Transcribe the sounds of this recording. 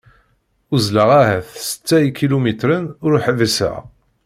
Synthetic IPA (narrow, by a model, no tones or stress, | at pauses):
ʊzləʁæɦæθsə̥t͡sːæikilumit̪ɾənʊɾuħðəsæ̰ʁ